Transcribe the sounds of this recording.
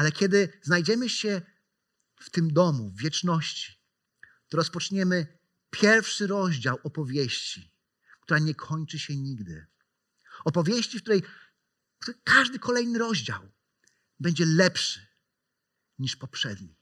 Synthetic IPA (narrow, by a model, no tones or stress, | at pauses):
alɛkʲɛd̪ɘznajd͡ʑɛmɘɕɛ | ft̪ɘmd̪ɔmuvːʲjɛt͡ʂnɔɕt͡ɕi̥ | t̪ɔɾɔspɔt͡ʂɲɛmɘ | pʲjɛɾfʂɘɾɔʑd͡ʑawɔpɔvʲjeɕt͡ɕi | k̚t̪uɾaɲɛkʰɔɲt͡ʂɘɕɛɲiɡd̪ɘ̰ | ɔpɔvʲjeɕt͡ɕifkt̪uɾɛj | kt̪ukʰaʐd̪ɘkʰɔlɛjnɘɾɔʑd͡ʑa̰w | bɛɲd͡ʑɛlɛpʂɘ̥ | ɲiʂpɔpʂɛd̪ɲi